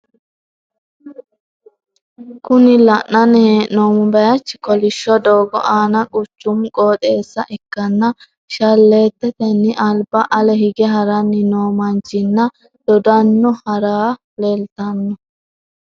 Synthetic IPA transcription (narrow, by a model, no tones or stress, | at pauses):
kʊnɪlɐʔnɐnheːʔnoːmʊbɐjɐt͡ʃːɪkɔlɪʃːɔd̪oːɡɔ̰ʔaːnɐkʼʊt͡ʃːʊmkʼoːt̪ʼeːsːɐʔɛkːɐnːɐ | ʃɐlːeːt̪ːɛt̪ɛnːɪʔɐlbɐʔɐlɛɦɪɡɛɦɐɾɐnːɪnoːmɐnt͡ʃːɪnːɐ | d̪̥ɔd̪ɐnːɔhɐɾaː | lelt̪ɐnːɔ